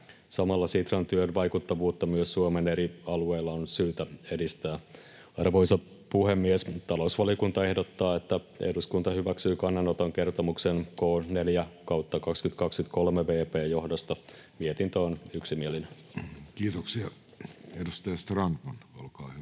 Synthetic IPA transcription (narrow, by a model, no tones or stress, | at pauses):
sɑmɑlːɑsit̪rɑnt̪yønʋɑjkut̪ːɑʋuːt̪ːɑmyøsːuomeneɾiɑlueːlːɑonsyːt̪æe̞dist̪æː | ɑrʋoisɑ | puhe̞mːiest̪ɑlousʋɑlijokunt̪ɑe̞hdo̞t̪ːɑːet̪ːæ | ḛhduskunt̪ɑhyʋæksyːkɑnːɑnot̪oŋke̞rt̪omuksenko̞ːne̞ljækɑwt̪ːɑkɑkskyt̪kɑkskyt̪ko̞lmeʋe̞ːpe̞ːjo̞hdost̪ɑmiet̪int̪oːnyksimielinekiːt̪oksiɑ | edust̪ɑjɑst̪rɑnt̪mɑnolkɑːhy